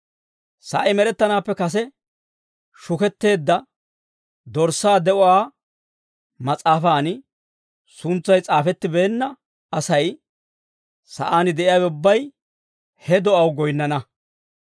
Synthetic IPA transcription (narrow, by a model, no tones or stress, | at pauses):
sɐʔɐjmɛɾɛt̪ːɐnaːpːɛkɐs̬ɛ | ʃʊkɛt̪ːe̞ːd̪ːɐ | d̪ɔɾsːaːd̪ɛʔɔwaː | mɐt͡sʼaːfaːnɪ | sʊnt͡sːɐjt͡sʼaːfɛt̪ːɪbe̞ːnːɐ | ɐsɐj | sɐ̰ʔaːnɪd̪ɛʔɪjaːbʊbːɐj | hɛd̪ɔʔɐwɡɔjnːɐnɐ